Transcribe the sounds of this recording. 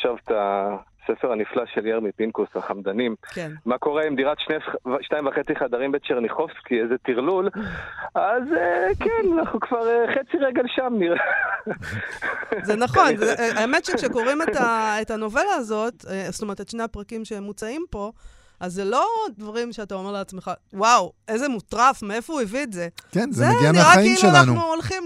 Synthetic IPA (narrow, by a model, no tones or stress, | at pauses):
ʃavt̪a | sefeʁaniflaʃeljaʁmipinkusaχamd̪animkenmako̞ʁeimdiʁat̪ʃnevʃnaĩmvaχe̞t͡siχad̪aʁimbet͡ʃeʁniχofskiezet̪iʁlul | azekenanaχukvaʁeχet͡siʁeɡelʃamniʁe | zenaχo̞nzeʔaemetʃekʃeko̞ʁimetaetano̞ve̞laːzo̞tst̪ome̞ʁet̪etʃnehapʁakimʃemːut͡saimpo̞ | azːelo̞dvaʁimʃeatao̞me̞ʁleat͡sme̞χawaweze̞mutʁafmeefouivitze̞kenzeeɡiameaʁaaimiʃmenlanunuolχim